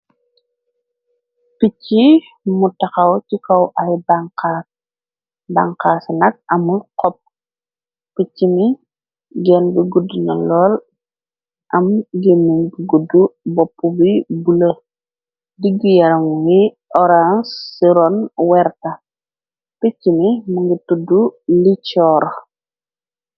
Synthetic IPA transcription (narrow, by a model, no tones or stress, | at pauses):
picːi | mutɐxɐwcikɐwʔajbaŋkas | baŋkaːsnɐk̚ɐmuqɔp̚ | picːimi | ɡɛnbiɡudːunɐlɔːl | ʔɐmɡemːinɡiɡudubɔpːubibulɐ | diɡijɐɾɐmuŋɡi | ʔɔɾãnsːiɾɔnwɛɾta | pit͡ʃːimimuŋɡitudulit͡ʃɔːɾ